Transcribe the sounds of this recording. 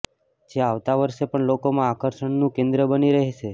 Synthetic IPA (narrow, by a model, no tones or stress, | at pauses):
d͡ʒeaʋt̪aʋəɾʃepəɳlokomãːkəɾʃəɳnũkẽnd̪ɾəbəniɾəɦet͡ʃe